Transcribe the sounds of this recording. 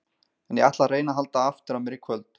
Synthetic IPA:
ɛnjiat̪lareːjnaɦalt̪aaft̪ʏɾamɛɾikʰvœlt̪

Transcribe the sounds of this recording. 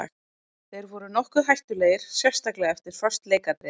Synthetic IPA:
a̰ | θejɾvɔɾʏnɔhkʏɦajht̪ʏleːjɪɾ̥sjɛr̥st̪aklɛɣaɛft̪ɪɾ̥fœ̥st̪leːjkat̪ɾe

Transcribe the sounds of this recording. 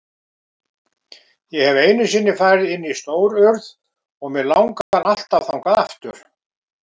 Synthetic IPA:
jɛhɛveːjnʏsiːnːɪfaːjɾɪðɪnːist̪oːwɾœɾð | ɔɣmɛðlawŋkaanal̥t̪awθawŋkaðaft̪ʏ̰ɾ̥

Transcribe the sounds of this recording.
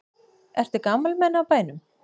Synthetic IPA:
ɛr̥t̪ɪkamːalmɛnːaːwpaːjnʏm

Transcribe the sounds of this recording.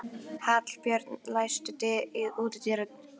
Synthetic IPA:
hat̪l̥pjœɾt̪nlajst̪ɪt̪ɪɪðuːt̪ɪt̪iɾa

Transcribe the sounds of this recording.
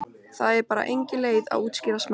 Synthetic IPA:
θaðɛɾpaːɾa̰ʔejɲcɪleːjða̰ðuːt̪scɪːɾasm

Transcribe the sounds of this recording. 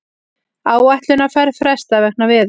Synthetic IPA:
aːwajht̪lʏnafɛɾfɾɛst̪avɛk̚navɪːð

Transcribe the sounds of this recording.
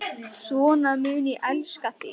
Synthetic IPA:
svɔːnamʏːniʔɛlskaθɪ

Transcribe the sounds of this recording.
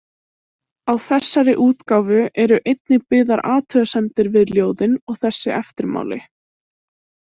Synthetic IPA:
awθɛsːaɾɪʔuːt̪kaːwvʏɛɾʏʔejt̪̚nɪpɪðaɾaːt̪ʰœɣasɛmt̪ɪɾvɪðljoːwðɪnɔɣθɛsːɪʔɛft̪ɪɾma̰ːwlɪ̰

